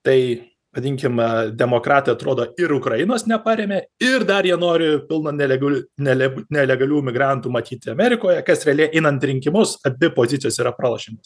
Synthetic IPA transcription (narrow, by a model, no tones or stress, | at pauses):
t̪ɐɪ | ʋɐdʲiŋʲkʲɪmd̪ʲɛmoːkɾɑːt̪ɐɪɐt̪ɾoːd̪oːɪɾʊkɾɐjɪnoːsnʲɛpɑɾʲeːmʲeːɪrd̪ɐɾjiɛnoːɾʲɪpʲɪlˠnɐnʲɛlʲɛɡʲnʲɛlʲɛnʲɛlʲɛɡɐlʲuːmʲɪɡɾɑnt̪uːmɐt̪ʲiːt̪ʲɪɐmʲɛɾʲɪkoːjɛkɐsɾʲɛɐlʲiɛʔɛɪnɐnt̪ɾʲɪŋʲkʲɪmʊsɐbʲɪpoːzʲɪtt͡ssʲjoːsiːɾɐpɾɑlˠɐʃʲɪnʲt̪ʲɪ